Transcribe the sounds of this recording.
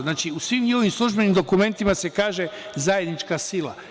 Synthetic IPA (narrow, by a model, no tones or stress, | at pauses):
naːt͡ʃiusʋiːmjioʋimslˠuʒbe̞nimd̪o̞kume̞nt̪imase̞kaːʒe̞zaje̞d̪nit͡ʃkasilˠa̰